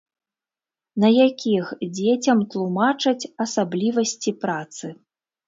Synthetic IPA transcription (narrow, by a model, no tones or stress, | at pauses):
nɐjakʲixd͡zʲet͡sʲɐmt̪lˠumat͡ʂɐt͡sʲɐsablʲivɐsʲt͡sʲipɾat̪sɨ